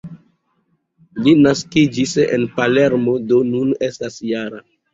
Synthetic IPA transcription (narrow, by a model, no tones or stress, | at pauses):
linaskid͡ʒisḛnpale̞ɾmo̞do̞nune̞stasjaɾa